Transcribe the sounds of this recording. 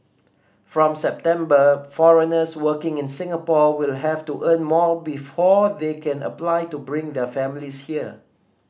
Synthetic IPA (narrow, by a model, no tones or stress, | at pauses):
fɹɔ̃msɛp̚tɛ̃mbəfɔɹənəswəkɪ̃ŋɪ̃nsɪ̃ŋəpɔwilɦɛftuʔə̃nmɔbifɔdekʰɛ̃nə̰plajtubɹɪ̃ŋdəfɛ̃mlishiə